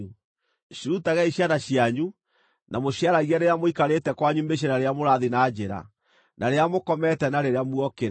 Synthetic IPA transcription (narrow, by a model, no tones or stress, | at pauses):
ɕiɾutaɣɛiɕanaɕiaɲu | nʔamoɕjaɾaɣiaɾeamoikaɾetɛkwaɲumbeɕ̬anaɾeamoɾaðinaːd͡ʑeɾa̰ | nʔaɾeamokɔmɛtɛnaɾeɾeamuɔkeɾ